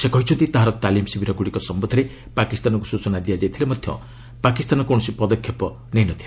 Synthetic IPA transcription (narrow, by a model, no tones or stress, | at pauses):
sekɔɦit͡ʃʰɔnt̪it̪aɦaɾɔt̪alimsibʱiɾɔɡuɽikɔsɔmbɔd̪ʱɔɾe | pakist̪anɔŋkusut͡ʃɔnad̪ijad͡ʒajt̪ʰilemɔd̪ʱjɔ̰ | pakist̪anɔkõɔsipɔd̪ɔkʰːjɔpɔ | neɦinɔt̪ʰile